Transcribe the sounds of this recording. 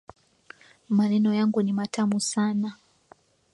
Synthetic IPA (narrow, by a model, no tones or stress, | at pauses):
manenojaŋɡunimatʰamusaːna